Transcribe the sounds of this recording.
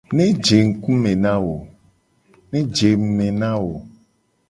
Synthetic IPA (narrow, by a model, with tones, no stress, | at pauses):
nẽ˦d͡ʒe˨ŋ̩˦ku˦mẽ˨nã˦wo˨ | nẽ˦d͡ʒe˨m̩˨mẽ˨nã˦wo˨